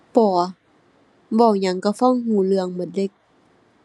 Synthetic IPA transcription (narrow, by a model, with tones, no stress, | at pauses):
pɔː˨˩˦ | bɔ˧˩wɲa˧˦ŋka˧˩fa˧˥˨ŋhuː˧˩˦lɯ˧˨əŋmɯ˧˩˦t̪̚dle˧˩k̚